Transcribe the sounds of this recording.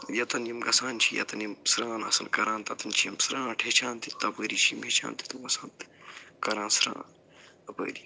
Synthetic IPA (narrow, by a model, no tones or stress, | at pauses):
jɐt̪ɐnjɐmɡɐsaːnt͡ʃʰijɐ̰t̪ɐnjimsɾãːnɐ̰sɐnkɐɾãːnt̪ɐt̪ɐnt͡ʃʰijɐmsɾãːʈʰeːt͡ʃʰãːnt̪it̪ɐpəːɾit͡ʃʰimeːt͡ʃʰa̰ːnt̪i̥t̪ɐɐsãːnt̪kɐɾãːnsɾã̰ːn | ɐpə̰ːɾi